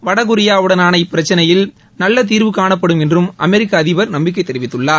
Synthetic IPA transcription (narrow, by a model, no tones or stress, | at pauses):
ʋɐɽɐɣɯɾɪjaːʋɯɽɐnaːnɐɪpːɪɾɐt͡ʃːɐnɐjɪl | nɐlːɐt̪̬iːɾʋɯkaːɳɐpːɐɽɯmɛndrɯmʔɐmɛɾɪkːaɐðɪʋɐɾnɐmbɪk̬ːɐɪt̪ːɛɾɪʋɪt̪ːɯɭːaː